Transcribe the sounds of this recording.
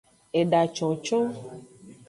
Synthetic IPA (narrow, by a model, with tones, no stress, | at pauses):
e˨ɖa˨t͡ʃɔ̃˨t͡ʃo˦